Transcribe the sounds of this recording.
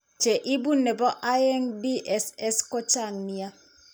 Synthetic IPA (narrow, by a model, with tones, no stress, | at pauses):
t͡ʃe˨ʔi˦bu˦nːe˨bɔ˦ʔa˦je˦ŋbi˦ʔɛ˨sɛ˦skɔ˦t͡ʃa˦˨ŋni˦a˦